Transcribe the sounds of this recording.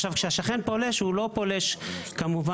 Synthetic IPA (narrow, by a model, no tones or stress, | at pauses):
ʃavkʃeaʃaχenpo̞le̞ʃhulo̞pole̞ʃkamuva